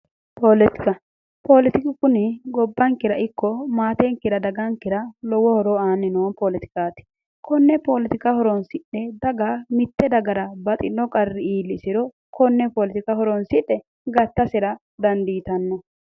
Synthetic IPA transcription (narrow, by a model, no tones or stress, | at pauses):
polɪt̪ɪ̥kɐ | poːlɪt̪ɪkɪkʊnɪɡɔbːɐŋkɪɾɐɪkːɔmaːt̪ɛŋkːɪɾɐd̪ɐɡɐŋkːɪɾɐlɔwɔhɔɾɔaːnːɪnoːnpolɪt̪ɪ̥kaːt̪ɪ̥ | kʰɔnːɛpolɪt̪ɪkahɔɾɔnsɪɗːɛd̪ɐɡamɪt̪ːɛd̪ɐɡɐɾɐbɐt̪ʼɪnːɔkʼɐrːɪiːlːɪsɪɾɔ | kʰɔnːɛpoːlɪt̪ɪkɐhɔɾɔnsɪɗːɛ | ɡɐt̪ːɐsɪɾɐ | d̪ɐnd̪iːt̪ɐnːɔ